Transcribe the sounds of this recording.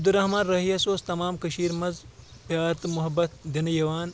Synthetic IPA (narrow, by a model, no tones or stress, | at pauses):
ɐbd̪uɾɐɦmaːnɾɐɦiɐsoːst̪ɐmaːmkɐʃiːɾmɐzpjaːɾt̪mʊɦɐbɐt̪̚d̪inɐjɐʋaːn